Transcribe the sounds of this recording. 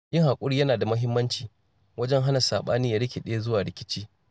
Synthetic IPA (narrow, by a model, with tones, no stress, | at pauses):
jɪ˦ŋha˨kʷʼʊ˦ɽiː˦jɐ˦naː˨da˨mɐ˦ɦɪ˦mːɐ˦nt͡ʃiː˨ | wɐ˦d͡ʒɛ˦ŋɦa˦na˨saː˨ɓaː˦niː˦ja˨˦ɽɪ˦kʲe˨ɗe˦a˦zʊ˦waː˨ɽɪ˨kʲɪ̥˦t͡ʃiː˦